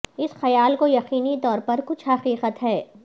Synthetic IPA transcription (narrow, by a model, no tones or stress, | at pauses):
ɪsxɐjaːlkojɐqiːnit̪ɔːɾpɐɾkʊt͡ʃʰɦɐqiːqət̪ɦɛː